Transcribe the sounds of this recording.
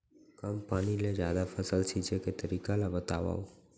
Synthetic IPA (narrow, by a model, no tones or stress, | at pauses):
kəmpaɽ̃iled͡ʒjad̪afʰəsəlt͡ʃʰit͡ʃʰeket̪əɾikalabət̪aʋa̰o